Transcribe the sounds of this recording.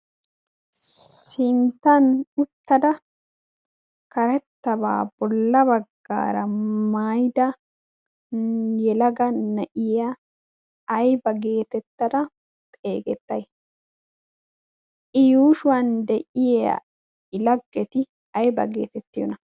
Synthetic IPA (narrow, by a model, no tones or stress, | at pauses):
sɪnt̪ːɐnʊt̪ːɐd̪ɐ | kɐɾɛt̪ːɐba̰ːb̥ɔlːɐbɐɡːa̰ːɾɐmajd̪ɐ | jɛlɐɡɐnɐʔɪjaː | jbɐɡe̞ːt̪ɛt̪ːɐd̪ɐ | t̪ʼeːɡɛt̪ːɐj | ʔɪjuːʃʊwɐnd̪ɛʔɪjɐ̰ | ɪlɐɡːɛt̪ɪ | ɐjbɐ̰ɡe̞ːt̪ɛt̪ːɪjɔnɐ